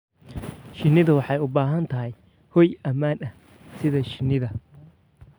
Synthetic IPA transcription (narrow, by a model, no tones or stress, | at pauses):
ʃɪnːɪðɐwɑħɑjʊbaːɦɐnt̪ʰɐɦɐj | hɔjɐmaːnɐ | sɪðɐʃɪnːɪðɐ